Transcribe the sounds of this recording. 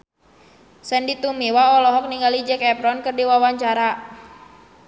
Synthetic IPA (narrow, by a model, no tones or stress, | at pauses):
sɛndit̪umiwaɔlɔɦɔk̚niŋɡalid͡ʒɛkɛpɾɔnkɨrdiwawaɲt͡ʃaɾa